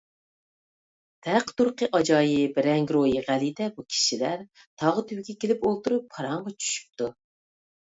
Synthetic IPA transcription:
d̪̥ʰæqt̪uɾqəʔɑd͡ʒɑːjibɪɾɛŋɡʲɾojiʁælid̪ɛbukʲʰi̥ʃilæɾ | t̪ʰɑʁət̪ʰywɡʲɛkʲʰelɪpolˠt̪uɾupʰːɑɾɑŋʁɑt͡ʃʰy̥ʃy̥p̚t̪ʰu

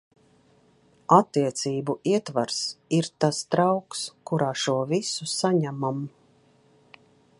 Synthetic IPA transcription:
at̪ːiɛt̪siːbuʔiɛt̪vaɾsiɾt̪ast̪ɾawkskuɾaːʃuɔvisusaɲæmam

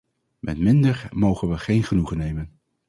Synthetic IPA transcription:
mɛtmɪndəɹmowχənʋəχejnχənuχənejmən

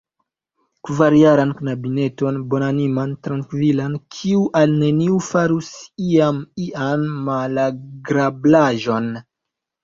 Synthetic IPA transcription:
kvaɾjaɾanknabine̞to̞nbo̞nanimantɾaŋkvilankʰiuʔalne̞niufaɾusiamiʔanːalaɡɾablaʒo̞n

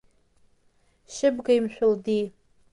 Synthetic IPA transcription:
ʃɪbɡaimɕʷᶣʊldi

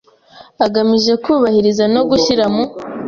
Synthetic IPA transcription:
aɡamiʒe̞kuːβahiɾizano̞ɡuçiɾamu

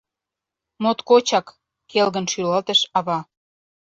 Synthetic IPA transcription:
mot̪kot͡ɕɑkː | elɣə̆nʃylɑlt̪ə̆ʃɑβɑ

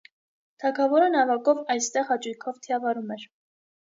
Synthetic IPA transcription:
t̪ʰɑkʰɑvɔɾənɑvɑkɔvɑjst̪ɛʁɑt͡ʃujkʰɔvt̪ʰiɑvɑɾumɛɾ

